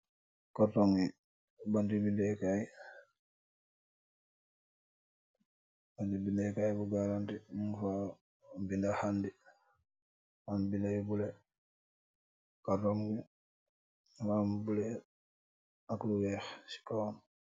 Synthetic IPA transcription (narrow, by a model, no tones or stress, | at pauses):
katoŋi | bandibindɛkaj | bandibinɛkajbuɡaɾantimuŋfa | bindahandi | wanbinajbule | kaɾɔŋɡi | mambulɛ | akluwɛxsi̥kawn